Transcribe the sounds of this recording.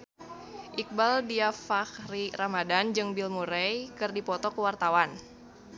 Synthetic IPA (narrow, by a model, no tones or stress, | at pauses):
ʔik̚baldiafakriramadand͡ʒɨŋbilmuɾɛjkɨrdipɔt̪ɔkəwart̪awan